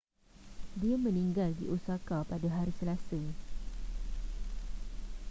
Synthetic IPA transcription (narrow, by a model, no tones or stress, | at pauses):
diamə̃nĩŋɡaldiʔusakapadaɦaɾisəlasa